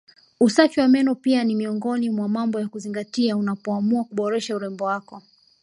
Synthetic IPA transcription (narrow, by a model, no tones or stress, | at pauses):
usafiwamɛnɔpianimiɔŋɡɔnimwamambɔjakuziŋɡatiaunapɔamuakuɓɔɾɛʃauɾɛmbɔwakɔ